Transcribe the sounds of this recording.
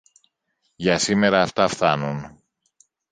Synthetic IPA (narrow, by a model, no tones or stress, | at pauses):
ʝɐsime̞ɾɐːft̪ɐfθɐnun